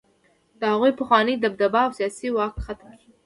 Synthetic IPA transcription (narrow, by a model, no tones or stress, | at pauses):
d̪̥əhaɣujpəxwɑnəjd̪ab̚d̪abɑːwsijɑsiwɑkxat̪mki